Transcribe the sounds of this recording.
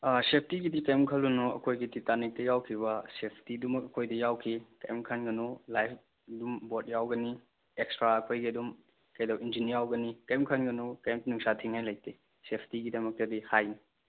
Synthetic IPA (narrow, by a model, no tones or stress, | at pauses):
asep̚ʰtiɡidikajmkʰɐlunɔɐ̰kʰojɡititanik̚tɐjawkʰibɐsepʰtidumɐk̚ɐkʰojdɐjawkʰikɐjmkʰɐnɡɐnɔlajpʰ | dumbot̚jawɡɐni | ekstɾaɐkʰojɡidum | kɐjdɐwind͡ʒiniawɡɐnikɐjmkʰɐnɡɐnokɐjmnuŋsatʰiŋhajlaj̚te | sepʰtiɡidɐmɐk̚tɐdihajni